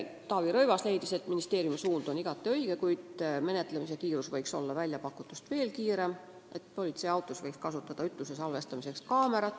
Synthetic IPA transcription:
t̪ɑːviɾɤjvɑsle̞jd̪ise̞t̪ːˑminist̪e̞ːrjumisuːnd̪̥o̞niɡ̥ɑt̪ːˑiø̞jɡ̥e̞kujd̪̥me̞ne̞t̪ˑle̞misekiːɾusvɤjkso̞̰lːɑvælʲjɑpɑkːˑut̪ːˑust̪ve̞ːlkiːɾe̞m | e̞t̪po̞lʲit̪sejɑwt̪ːˑusvɤjkskɑsut̪ːˑɑd̪̥ɑyt̪ˑluse̞sɑlve̞st̪ɑmise̞kskɑːme̞ɾɑt̪ːˑ

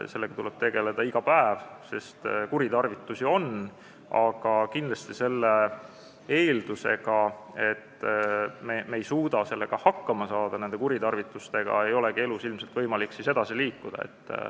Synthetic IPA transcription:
se̞lːeɡ̥ɑt̪uleb̥̚t̪e̞ɡe̞le̞d̪ɑiɡ̥ɑpæevse̞st̪kuɾit̪ɑrvit̪ːˑusʲio̞n | ɑɡ̥ɑkind̪lɑst̪ise̞lːe | eːld̪̥use̞ɡɑe̞t̪ː | memeːjsuːd̪ɑse̞lːe̞ɡ̥ɑhɑkːɑmɑsɑːd̪̥ɑne̞nd̪e̞kuɾit̪ɑrvit̪ːˑust̪e̞ɡ̥ɑ̰e̞jo̞leɡie̞lusilmse̞lt̪vɤjmɑliksise̞d̪ɑsiliːkːud̪̥ɑ̰ḛt̪ː

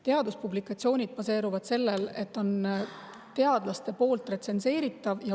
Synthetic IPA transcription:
t̪e̞ɑd̪̥uspublikˑɑt̪sio̞ːnʲid̪̥̚pɑse̞ːɾuvɑd̪̥se̞lːe̞le̞t̪ːˑo̞n | t̪e̞ɑd̪̥lɑst̪e̞po̞ːlt̪ˑre̞t̪se̞nse̞ːɾit̪ːˑɑvjɑ

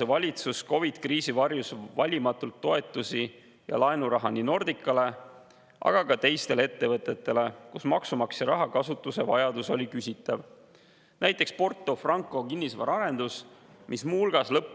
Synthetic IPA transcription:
evɑlʲit̪susko̞vid̪̥kriːsivɑrjusvɑlʲimɑt̪ːˑult̪ːo̞e̞t̪ːˑusi | jɑ̰lɑenuɾɑɦɑnino̞rd̪̥ikːˑɑle̞ | ʔɑ̰ɡ̥ɑkɑt̪e̞jst̪e̞leet̪ːe̞vɤ̞t̪ːˑe̞t̪ːˑe̞le̞kusmɑksumɑksjɑɾɑɦɑkɑsut̪ːˑuse̞vɑjɑd̪̥uso̞lʲikysʲit̪ːˑɑv | næjt̪ˑːe̞kspo̞rt̪ˑːo̞frɑŋkˑo̞kinːisvɑ̰ɾɑɾe̞nd̪̥us | mʔismuulɡ̥ɑslɤpː

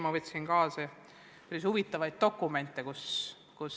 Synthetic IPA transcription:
mɑvɤt̪ʲsinkɑːse | pæɾishuvit̪ːˑɑvɑjd̪̥̚t̪o̞kːˑume̞nt̪ˑːekus | kus

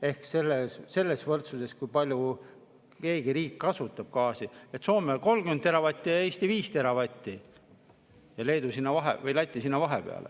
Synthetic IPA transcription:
e̞hkse̞lːesse̞lːe̞svɤrt̪suse̞skujpɑlʲju | ke̞ːɡ̥iɾiːkːɑsut̪ːˑɑb̥̚kɑːsiet̪so̞ːmeko̞lːɡynd̪eɾɑvɑt̪ʲːˑijɑe̞ːst̪iviːst̪e̞ɾɑvɑt̪ʲːi | jɑle̞jd̪usinːɑvɑɦḛvɤjlæt̪ʲˑːisinːɑvɑɦe̞peɑ̰lʔḛ

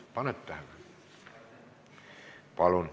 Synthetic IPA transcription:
pɑnet̪t̪æhnæ | pɑlun

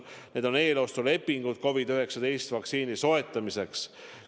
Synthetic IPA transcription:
ne̞ːd̪̥o̞ne̞ːlo̞st̪ole̞pːiŋɡ̥ut̪̚ko̞vid̪yɦe̞ksɑd̪̥e̞jst̪vɑkt̪siːniso̞e̞t̪ːˑɑmise̞ks

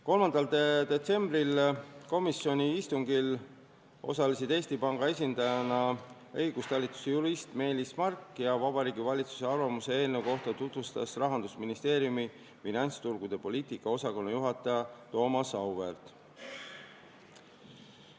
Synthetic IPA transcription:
ko̞lmɑnd̪ɑld̪ed̪e̞t̪se̞mbrilko̞misjo̞nʲiist̪uŋɡil | o̞̰sɑlisid̪̥e̞ːsʲt̪ipɑŋɡ̥ɑe̞s̬ʲind̪ɑjɑnɑ | ɤ̞jɡ̥ust̪ɑlːit̪ːˑu̥sejuɾist̪me̞ːlismɑrkːjɑvɑb̥ɑɾiːɡivɑlʲit̪su̥se̞ɑrvɑmuse̞eːlneko̞ht̪ɑt̪ut̪vust̪ɑ̰srɑɦɑnd̪usminist̪e̞ːɾjumi | finɑnʲt̪st̪uɾɡ̥ud̪̥e̞po̞lʲiːt̪ikːɑo̞sɑko̞nːɑjuɦɑt̪ˑːɑjɑt̪o̞ːmɑsɑwve̞rt̪

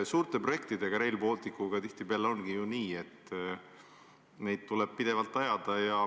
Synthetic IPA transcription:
suːɾt̪e̞pro̞je̞kt̪id̪e̞ɡ̥ɑɾe̞jlbo̞ːlt̪ikːˑuɡɑt̪iht̪ibe̞ɑleo̞nɡijuniːe̞t̪ː | ne̞jd̪̚t̪ːulɛb̥̚pid̪̥e̞vɑlt̪ːˑɑjɑd̪̥ɑjɑ

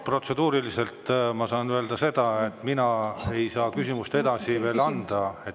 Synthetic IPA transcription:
pro̞t̪se̞d̪̥uːɾilise̞lt̪mɑsɑːnøe̞ld̪ɑse̞d̪̥ɑe̞t̪ːˑminɑe̞jsɑːkysʲimust̪e̞d̪̥ɑsive̞ːlɑnd̪̥ɑe̞

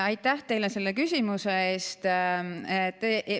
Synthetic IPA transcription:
ɑjt̪ːˑæht̪e̞jlese̞lːekysʲimusee̞ːst̪et̪ːˑ

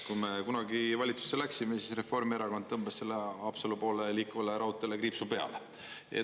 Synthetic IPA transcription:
kume̞kunɑɡivɑlʲit̪su̥sːelæksimesisre̞fo̞rmieɾɑkond̪t̪ɤmb̥esːe̞lːeɑːpselupo̞ːleliːkːuvɑleɾɑut̪ːˑelekripsupe̞ɑ̰le | ḛ

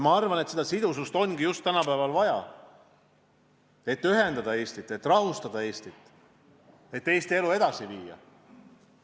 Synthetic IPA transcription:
mɑɑrvɑnet̪sed̪ɑsid̪̥usust̪o̞nɡijust̪ːænɑpæevɑlvɑjɑ̰ | e̞t̪ːyɦe̞nd̪ɑd̪ɑe̞ːst̪it̪ːˑe̞t̪ːˑrɑɦust̪ɑd̪̥ɑe̞ːst̪it̪ːˑ | e̞t̪ːe̞ːst̪ie̞lue̞d̪̥ɑsiviːjɑ̰

